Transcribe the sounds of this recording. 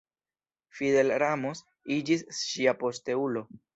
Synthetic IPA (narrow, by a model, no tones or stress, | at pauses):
fide̞lɾamos | id͡ʒisʃiapo̞ste̞ulo̞